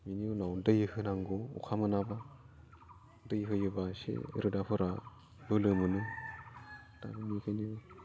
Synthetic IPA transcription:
miniunawdɯjɯhɯnaŋɡoṵkʰamɯnaba | dɯjɦɯjɯbasḛɾɯdapʰɯɾa | bɯlɯmɯnɯ | ta̰binikʰɯjnio

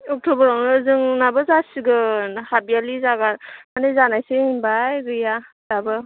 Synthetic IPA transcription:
ɔk̚tobɐɾawnɯːzɯŋnabɯzasiɡɯhabijalizaɡatmanezanajseimbajɡɯjazabɯ

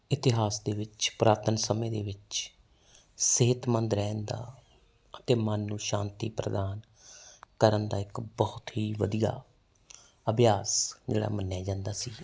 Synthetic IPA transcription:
ɪt̪ɪɦaːsd̪eːʋɪt͡ʃpɾaːɾt̪ənsəmẽːd̪eːʋɪt͡ʃ | seɦɪt̪mənd̪ɾɛːnd̪a̰ː | ət̪eːmənːũːʃãːnt̪ḭːpɾəd̪aːn | kəɾənd̪a̰ːɪkbɔːʊt̪ɦiːʋəd̪ija̰ː | əbjaːsd͡ʒḛːɽa̰ːmənːjaːd͡ʒãːnd̪aːsiː

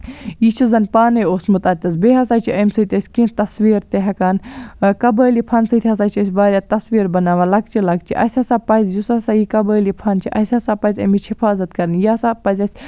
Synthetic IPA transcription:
jit͡ʃʰizɐnpaːnejoːsmɨt̪ɐt̪ʲɐzbeːɦɐsaːt͡ʃʰiɐjmsɨt̪ʲɐsʲkĩːt̪ɐsʋiːɾt̪eɦɐkaːnkɐbəːlipʰɐnsɨt̪ʰʲɦɐs̬aːt͡ʃʰɐsʲʋaːɾʲjaːt̪ɐsʋiːɾbɐnaːʋalɐk̚t͡ʃʰilɐk̚t͡ʃʰḭʔɐ̰sʲɐsaːpɐzʲjusɐsaːjikɐbəːlipʰɐnt͡ʃʰiʔɐ̰sʲhɐsapɐzʲɐ̰mit͡ʃʰhifʰaːzɐt̪kɐɾnjaːsaːpɐzʲɐsʲ

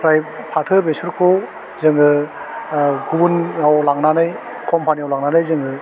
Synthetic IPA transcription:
pʰɾajpʰatʰɯbesuɾkʰɔ | zɯŋɯ | ɡunawlaŋnanɯj | kʰɔmpʰaniawlaŋnanɯjzɯŋɯ

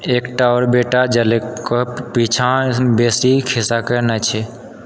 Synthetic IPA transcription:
eːkʈaɾbeːʈad͡ʒələkkopiːt͡ʃʰãbeːsikʰɪsakənat͡ʃʰe

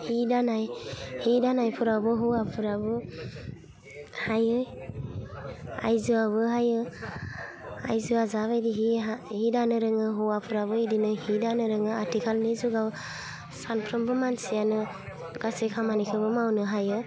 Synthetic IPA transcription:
hidanajhidanajpʰuɾabɯɦuwapʰuɾabɯ | hajɯ | a̰jzɯaβɯɦajɯ | ajzɯazaβajdiɦiahidanɯɾɯŋɯɦuwapʰuɾabɯidinɯhidanɯɾɯŋɯatʰikʰalnizuɡaw | sanpʰɾɯmbɯmansijanɯ | ɡasekʰamanikʰɯbɯmawnɯɦajɯ

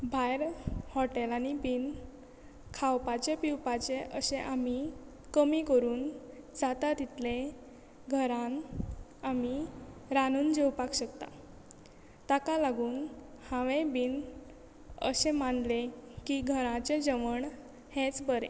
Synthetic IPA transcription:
bʱajɾhɔʈelanibiːn | kʰawpat͡ɕepiwpat͡seʔəɕẽʔami | kəmikəɾuːnd͡zat̪at̪it̪lẽ | ɡʱəɾãn | amiɾanuːnd͡ʑewpakɕəkt̪a̰ | t̪akalaɡuːnhãʋẽbiːn | ə̰ɕẽmand̪lekiɡʱəɾãt͡sed͡ʑəʋəɳ | hẽt͡sbəɾḛ̃

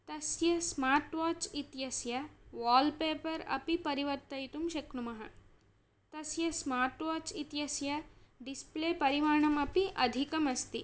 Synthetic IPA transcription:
t̪ɐsjɐsmaːɾʈʋaːt͡ʃit̪jɐsjɐʋaːlpeːpɐɾɐ̰pipɐɾiʋɐɾt̪ɐjt̪umʃɐknumɐɦɐ̰ | t̪ɐsjɐsmaːɾʈʋaːt͡ʃit̪jɐsjɐɖispleːpɐɾiʋaːɳɐmɐpiʔɐd̪ʱikɐmɐst̪i

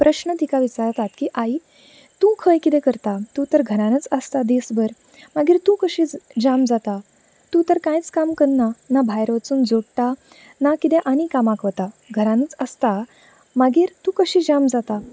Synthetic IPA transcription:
pɾʔəɕnət̪ikaʋit͡saɾt̪at̪kiʔai | t̪ũkʰəjkit̪ɛ̃kəɾt̪at̪ũt̪əɾɡʱəɾãnət͡səst̪ad̪esbəɾ | maɡiːɾt̪ũkəɕĩːd͡ʑamd͡zat̪a | t̪ũt̪əɾkãjt͡skamkəɽnanabʱajɾʋat͡suːnd͡zoɽʈ̪a | nakit̪ɛ̃ʔañikamakʋət̪aɡʱəɾãnət͡səst̪a | maɡiːɾt̪ũkəɕid͡ʑamd͡zat̪a

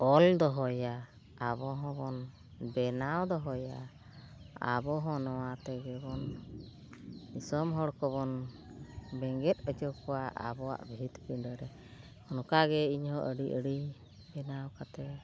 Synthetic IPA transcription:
ɔld̪ɔɦɔja | abɔɦɔ̃bɔn | bɛnawd̪ɔɦɔja | a̰bɔɦɔ̃nɔwat̪ɛɡɛbɔn | isɔmɦɔɽkɔβɔn | bɛŋɡɛt̪̚əd͡ʒɔkɔwaʔa̰bɔa̰ʔbʱit̪piɳɖɔɾɛ | hɔnɔkaɡɛiɲhɔʔəɖiʔəɽi | bɛnawkat̪ɛ

